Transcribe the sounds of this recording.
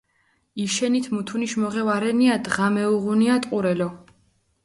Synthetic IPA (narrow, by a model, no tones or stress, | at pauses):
iʃɛnit̪ʰmut̪ʰuniʃmɔʁɛvaɾɛniad̪ʁamɛuʁuniat̪ʼqʼuɾɛlɔ